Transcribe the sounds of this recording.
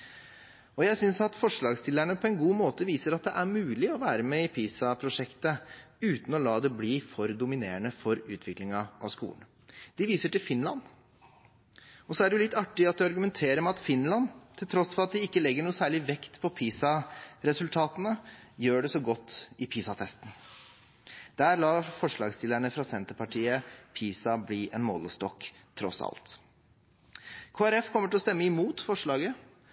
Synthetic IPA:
ɔjæɪsʏnsɑt̪fɔʂɭɑːɡst̪ʰɪlæɳəpʰɔɛnɡuːmoːt̪əʋiːsəɾɑt̪̚d̪ɛʔæɾmʉːlɪɔʋæːɾəmeːɪpʰiːsɑpʰɾʊʂɛkt̪əʉːt̪n̩ɔlɑːd̪ɛbliːfɔɾd̪ʊmɪneːɳəfɔɾʉːt̪ʰʋɪklɪŋɑɑ̰ʋskṵːən | d̪̥ɪʋiːsəʈɪlfɪnlɑn | ɔsɔæɖɛlɪt̪ːɑʈːɪɑt̪̚d̪ɛɑɾɡʉmɛnt̪ʰeːɾəmɛɑt̪fɪnlɑnt̪ʰɪlt̪ʰɾɔsfɔɾɑt̪̚d̪ɪɪkːəlɛɡːəɳuːsæːɭɪʋɛkt̪pʰɔpʰiːsɑɾɛsʉlt̪ʰɑːt̪ənəjøːɖɛsɔɡɔt̪ːɪpʰiːsɑt̪ʰɛst̪n̩ | d̪̥æːɾlɑːfɔʂɭɑ̰ːɡst̪ɪlæɳəfɾɑsɛnt̪əɾpɑʈʰiːəpʰiːsɑbliːʔɛnmɔ̰ːləst̪ɔkː | t̪ʰːɾɔ̰sɑ̰lt̪ | kʰoːæɾɛfkʰɔmːəʈʰɪlɔst̪ɛmːəɪmuːt̪fɔʂɭɑːɡə

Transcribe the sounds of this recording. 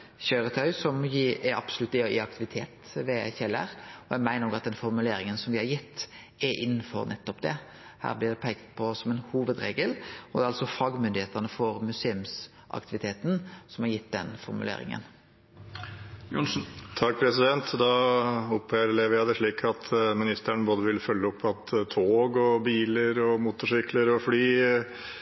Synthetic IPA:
çœʏɾət̪ʰœʏsɔmjɪʔɛɾɑbsɔlʉt̪ːɛɪɑk̚t̪ɪʋɪt̪ʰeːt̪ʋɛçɛlːæ̰ɾɔjæɡmæɪnəɔɡɑt̪̚d̪ɛnfɔɾmʉleːɾɪŋənsɔmʋɪhɑɾjɪt̪ː | ɛɾʔɪ̰nːən̩fɔ̰ɾnʔɛt̪ːɔpd̪ɛ̰ | hæ̰ːɾblɪd̪ɛpʰɛɡt̪pʰɔsɔmɛnhuːʋəd̪ɾeːɡəlɔd̪ɛɾɑlsɔfɑːɡmʏnd̪ɪheːt̪əʁnəfɔɾmʉseːʉms | ʔɑ̰kt̪ɪʋɪt̪ʰeːt̪n̩sɔmhɑɾjɪt̪ːd̪ɛ̰nfɔɾmʉ̰lḛːɾɪ̰ŋə̰n | jʊnsn̩t̪ʰɑk̚ːpʰɾɛsɪd̪ɛnt̪d̪ɑːʊpeɾlɛʋjæd̪ɛʂɭiːkʰɑt̪ʰmɪnɪst̪æɳboːd̪əʋɪlfœlːəɔpʰːɑt̪t̪ʰoːɡɔbiːləɾɔmuːt̪ʊʂʏkləɾɔflyː

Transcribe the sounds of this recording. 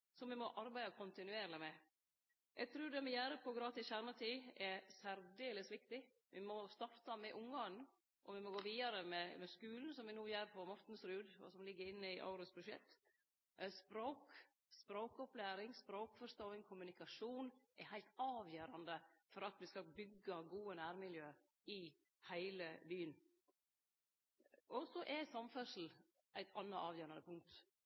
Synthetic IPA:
sɔmʋɪmɔʔɑɾbæɪd̪ɑkʰʊnt̪ɪnʉeːɾləmɛ | ʔɛɡ̚t̪ʰɾʉːɾd̪ɛmɛjæːɾəpʰɔɡɾɑːt̪ɪsçæɾmət̪ʰiːɛsæɾd̪eːləsʋɪkt̪ɪ | ʋɪmɔst̪ɑft̪ɑmɛʔʊŋɡɑ | ʔɔʋɪmɔɡoːʋiːd̪ɑɾəmɛmɛskʉːln̩sɔmʋɪnuːjæːɾpʰɔmɑt̪n̩sɾʉːd̪ʋɑ̰ːsɔmlɪɡːəɾɪnːəɪʔɑ̰ʉɾʊsbʉʂɛ̰t̪ː | spɾoːk | spɾoːkɔplæːɾɪŋspɾoːkfɔʂt̪oːɪŋkʰʊmʉnɪkɑʂuːnʔɛɾhæɪlt̪ɑːʋjøːɾɑnd̪əfɔɾɑt̪ʋɪskɑbʏɡːɑɡuːənæːɾmɪljøː | ɪ | hæɪləbyːən | ɔsɔʔɛsɑmfœʂl̩ | ʔæɪt̪ʰɑnːɑʔɑːʋjøːɾɑnəpʰʊŋk̚t̪

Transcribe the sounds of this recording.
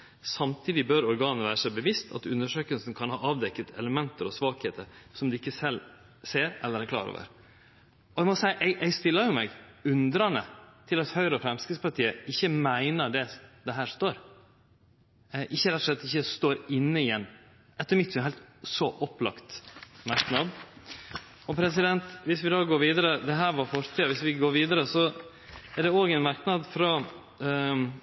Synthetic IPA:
sɑmt̪ʰiːd̪ɪbœɾɔɾɡɑːnəʋæːɾəsæɪbəʋɪst̪ʰɑ̰t̪ʉnːəʂøːkəlsnkʰɑnhɑːɑːʋd̪ɛkːət̪ʰɛ̰ləmɛnt̪əɾɔsʋɑːkheːt̪ʰəɾsɔmd̪ɛɪkːəsɛl | seːɾɛ̰lːəɾæɾkʰlɑ̰ːɾo̰ʋə̰ɾ | ɔɛɡmɔsæɪʔɛɡʔɛɡst̪ɪlːəɾjʊmɛɡʉnd̪ɾɑnət̪ʰɪlɑt̪hœʏɾɔfɾɛmskəspɑʈʰiːəɪçːəmæɪnəɖ̪ɛd̪ɛɦæːɾst̪oːɾ | ʔɪçːəɾɛt̪ːʊ̥ʂlɛt̪ːɪçːəst̪oːɾɪnːəɪjɛnː | ʔɛt̪ːəɾmɪt̪ːsɛhɛɪlt̪sɔʔɔplɑ̰kt̪mɑɾknɑd̪ | ɔpʰɾɛs̬ɪd̪ɛnt̪ʋɪsʋɪd̪ɑːɡoːɾʋiːd̪əɾəd̪ɛɦæːɾʋɑɾfɔɾt̪ʰiːʋɪsʋɪɡoːɾʋiːd̪əɾəsɔ | ɛɖɛoːɡɛɪnmɑɾknɑd̪fɾɑ

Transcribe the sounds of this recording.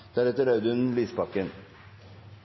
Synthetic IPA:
d̪̥æːɾɛt̪əɾɑʉd̪ʉnn̩liːspɑkːən

